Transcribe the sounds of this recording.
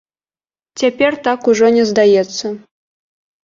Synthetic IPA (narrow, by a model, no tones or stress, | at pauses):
t͡sʲepʲerʲt̪akuʐɔnʲɛzd̪ajɛst͡s̪ːə